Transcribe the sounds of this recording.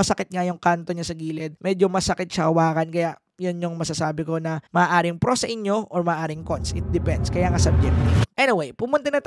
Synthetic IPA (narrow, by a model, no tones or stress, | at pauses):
ɐsɐkɪt̪̚ŋɐjʊŋkant̪o̞ɲasɐɡiːlɛd̪̚mɛːd͡ʒomɐsɐkɪt̪̚sɐʔɐwaːkɐnkɐjaʔ | jʊnjoŋmɐsasaːbɪko̞nɐmɐʔːʔaːɾɪŋpɾosɐʔɪɲjo̞ʔoɹmɐʔːʔaːɾɪŋkont̪sʔɪt̪̚d̪ɛpɛnd̪skɐjaːŋasɐb̚d͡ʒɛkniʔɛnɪwejpʊmʊnt̪ɐnɐt̪